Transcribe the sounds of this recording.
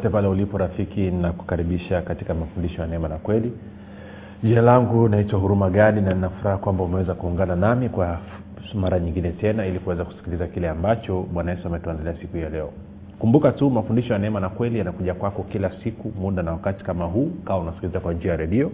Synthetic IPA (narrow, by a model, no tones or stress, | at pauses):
ɔtɛpalɛulipɔɾafikinaku̥kaɾiɓiʃakati̥kamafundiʃɔjanɛɛmanakwɛli | ʄialaŋɡunaitwaɦuɾumaɠaninaninafuɾahakwambaumɛwɛzakuːŋɡananamikwa | maɾaɲiŋɡinɛtɛnailikuwɛzaku̥si̥kilizakilɛambat͡ʃɔɓwanajɛsuamɛtuandaliasikuhijalɛɔ | kumbukatumafundiʃɔjanɛɛmanakwɛlijanakuʄakwakɔkilasikumuɗanawakati̥kamaɦuːkawaunasi̥kilizakwand͡ʒiajaɾɛɗiɔ